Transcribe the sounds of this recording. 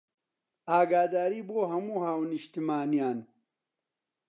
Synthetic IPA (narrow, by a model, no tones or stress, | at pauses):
aːɡaːd̪aːɾiːboːɦɐmuːhaːwniʃt̪imaːnijaːn